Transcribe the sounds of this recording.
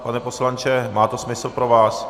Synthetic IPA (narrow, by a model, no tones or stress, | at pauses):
panɛpo̞slant͡ʃɛmaːt̪osmɪsl̩pɾovaːs